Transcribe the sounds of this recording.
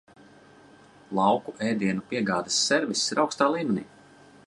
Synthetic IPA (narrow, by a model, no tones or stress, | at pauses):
lˠɑwkuʔɛːjd̪iɛnupiɛɡaːd̪asːɛɾvisːiɾawkst̪aːlˠiːmʲɛnḭː